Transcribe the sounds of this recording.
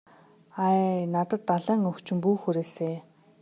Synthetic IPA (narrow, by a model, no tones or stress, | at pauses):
anat̪ə̆t̪ːaɮæːŋɵkt͡ɕɪ̆mpuːxuɾeːseː